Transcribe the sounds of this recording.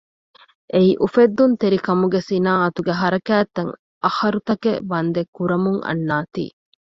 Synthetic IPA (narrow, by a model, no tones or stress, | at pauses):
ʔeiʔufed̪ːunt̪eɾikɐmuɡesinaːɐt̪uɡeɦɐɾɐkæːt̪ːɐŋ | ʔɐhɐɾut̪ɐkḛʋɐnd̪ekːuɾɐmuŋɐ̰nːaːt̪ḭː